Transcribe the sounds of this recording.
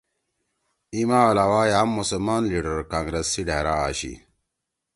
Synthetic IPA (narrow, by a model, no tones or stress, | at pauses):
imaalawaːjamːusəlmaːnliɖəɾkãːŋɡɾesːiɖaɾaa̰ɕḭ